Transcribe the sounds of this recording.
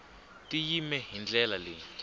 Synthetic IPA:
tijimɛɦind͡ɮɛlalɪ

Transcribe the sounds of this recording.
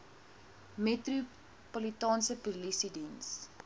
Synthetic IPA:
metru | pɔlitɑːnsəpulisidins

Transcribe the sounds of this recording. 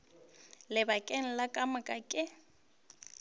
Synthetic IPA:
lɪbakʼeŋ̩lakʼamakʼakʼɪ

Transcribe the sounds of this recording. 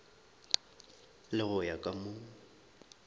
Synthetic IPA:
lɪɣʊjakʼamʊːŋ̩

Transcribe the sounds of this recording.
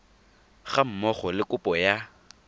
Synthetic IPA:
ɣam̩mɔχɔlɪkʼʊpʼɔja

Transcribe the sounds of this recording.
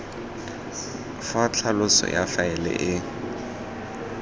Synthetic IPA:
fat͡ɬʰalʊsɔ̰jafaɛlɛ̰ʔɪ

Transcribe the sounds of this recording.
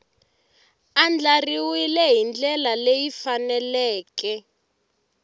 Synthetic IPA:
and͡ɮariwilɛɦind͡ɮɛlalejifanɛlɛːkɛ

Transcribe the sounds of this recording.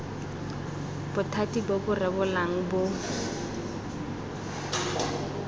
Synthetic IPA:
b̥ʊtʰatibobʊrɛbʊlaŋ̩bʊ

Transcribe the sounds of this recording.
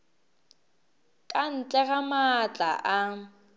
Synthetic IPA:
kʼan̩t͡ɬʼɛɣamat͡ɬʼa̰ʔa

